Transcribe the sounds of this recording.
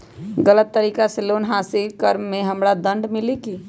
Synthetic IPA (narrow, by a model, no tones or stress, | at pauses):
ɡələt̪ːəɾikaselonɦasilkəɾmːeɦəmɾad̪ə̃ɳɖmiliki